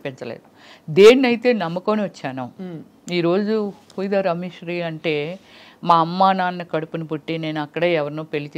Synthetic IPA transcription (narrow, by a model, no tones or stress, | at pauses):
piɲt͡ʃɐlḛːd̪ud̪eːnːɐjit̪e̞ːnɐmːɐkoːniʋɐt͡ʃːaːnɐː | iːɾo̞ːd͡ʒuhuːjd̪aːɾɐmiʂɾiːɐɳʈe̞ːmaːɐmːaːnaːnːɐkɐɽupunipuʈːine̞ːnuɐkːɐɽɐːɛʋɐɾinuːpelːit͡ʃː